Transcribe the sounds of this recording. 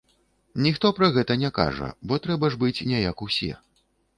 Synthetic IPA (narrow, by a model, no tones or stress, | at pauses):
nʲixt̪ɔpɾɐɣɛt̪ɐnʲɛka̰ʐɐ̰bɔt̪ɾɛbɐʐbɨt͡sʲnʲɛjakusʲɛ̰